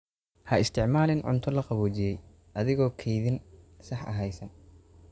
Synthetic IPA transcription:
hɐɪst̪ʰɪʕmaːlɪnʕʊ̰nt̪ʰɔlɐqɑβɔːt͡ʃɪjɛj | ʔɐðɪɣɔːkʰɛjðɪnsɑħʔɐ̰ɦɛjsɐ

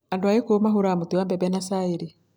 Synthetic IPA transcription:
andwajekomaɦuɾamutiwaːmbɛbɛnasaiɾi

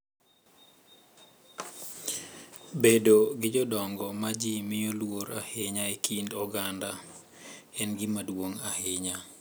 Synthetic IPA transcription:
bedoɡɪd͡ʒɔdɔŋɡɔmad͡ʒimɪjolwoɾa̰hɪɲaekʰindɔɡanda | ɛnɡɪmadwoŋahɪɲa

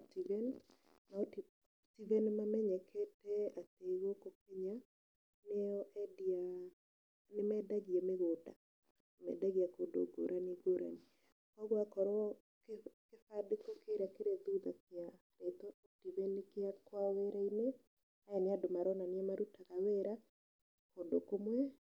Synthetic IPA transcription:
tivɛn | nat | tivenmamɛɲɛkʰeteat̪eiwokokeɲa | nɛɔʔɛdia | nɪmɛdaɡjamɪɡoda̰ | mɛ̰daɡiakodo̰ɡo̰ɾʔaniɡoɾʔa̰ni | kɔɡwakɔɾɔ | kkefadɪkokeɾakeɾeduðakja | ɾet̪ɔɔk̚tivenkɪakwawɛɾaine | aɛnɪadomaɾɔnanjɛmaɾutakaweɾa | kodokomwɛ

